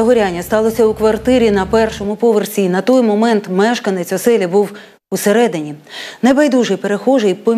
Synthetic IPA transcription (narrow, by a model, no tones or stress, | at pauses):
ɐɦɔɾʲanʲːɐst̪ɑlˠɔsʲɐukʋɐrt̪ɪɾʲinɐpɛrʃɔmʊpɔʋersʲinɐt̪ɔjmɔmɛnt̪mɛʃkɐnet͡sʲɔsɛlʲɐbuw | useɾɛd̪ɪnʲinebɐjd̪uʒɪjpeɾe̞xɔʒejpɔ